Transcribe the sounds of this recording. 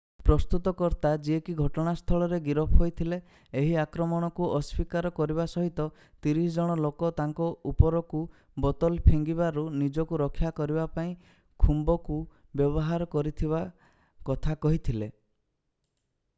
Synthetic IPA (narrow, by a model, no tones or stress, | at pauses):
pɾɔst̪ut̪ɔkɔɾt̪ad͡ʒiekiɡʱɔʈɔɽ̃ast̪ʰɔɭɔɾeɡiɾɔpʰɦojt̪ʰileː | ɦiakɾɔmɔɽ̃ɔkuʔɔspikaɾɔkɔɾibasɔɦit̪ɔ | t̪iɾisɔd͡ʒɔɽ̃ɔlokɔt̪aŋkɔupɔɾɔku | bɔt̪ɔlpʰeŋɡibaɾunid͡ʒɔkuɾɔkʰːjakɔɾibapaĩ | kʰumbɔku | bjɔbɔɦaɾɔkɔɾit̪ʰiβa | kɔt̪ʰakɔɦit̪ʰile